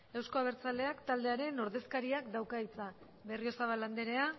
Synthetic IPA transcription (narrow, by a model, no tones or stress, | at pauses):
e̞wsko̞aβ̞e̞ɾt͡sald̪e̞akt̪ald̪e̞aɾe̞no̞ɾðe̞skaɾiakd̪awkait͡sa | βe̞rio̞saβalːand̪eɾe̞a